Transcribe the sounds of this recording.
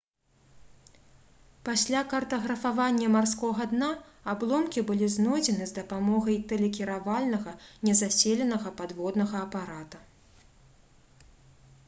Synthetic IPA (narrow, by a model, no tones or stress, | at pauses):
pasʲlʲakɐrt̪ɐɣɾɐfavanʲːɐmarskɔɣɐd̪naablˠɔmkʲibɨlʲiznɔd͡zʲɛnɨzd̪ɐpamɔɣɐjt̪ɛlʲɛkʲiɾavalʲnɐɣɐnʲɛzasʲɛlʲɛnɐɣɐpad̪vɔd̪nɐɣɐːpaɾat̪ɐ